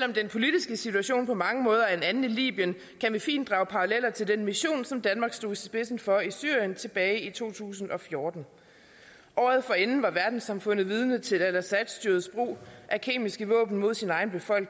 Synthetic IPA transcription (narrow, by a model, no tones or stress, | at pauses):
sel̰ɒ̽md̥enpʰo̝lid̥isɡ̥əsit͡sʰuæɕo̝̰ːnpʰɒ̽mɑ̈ŋəmɔ̽ːð̞ˠɐ̥enænn̩ilḭːb̥iən | kʰænʋifḭːnd̥ʁɑ̈ʊpʰɑ̈ʁɑlelɐt͡sʰe̝ld̥enmiɕo̝̰ːnsɒ̽md̥ænmɑ̈ːɡ̥sd̥o̝̰ːisb̥e̝sn̩fɒ̽isy̰ːɐ̰jənt͡sʰe̝b̥ɛːɪit͡sʰo̝̰ːt͡sʰṵːsn̩ɒ̽fjo̝ːd̥n̩ | ʔɒ̰ːð̞̩ˠfɒ̽e̝nn̩ʋɑ̈ʋæɐd̥n̩sɑ̈mfɔ̽n̰ð̞̩ˠʋið̞ˠnət͡sʰe̝lælæsæd̥sd̥yɐðˠsb̥ʁo̝̰ːʔækʰe̝̰ːmisɡ̥əʋɔ̰̽ːb̥n̩mo̝ð̰ˠsinɑ̈ɪn̩b̥e̝fɒ̽l̰ɡ̥